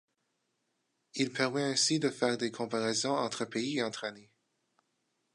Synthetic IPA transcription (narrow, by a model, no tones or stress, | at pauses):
ilpʰɛʁmɛɛ̃sid̪əfɛʁd̪ekʰɔ̃paʁɛzɔ̃ɑ̃t̪χəpeiɑ̃t̪χane